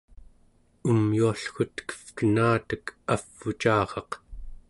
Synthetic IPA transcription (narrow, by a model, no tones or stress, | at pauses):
umjuaɬxut̪kə̥fkənaːt̪əkafːut͡ʃɑːʁɑq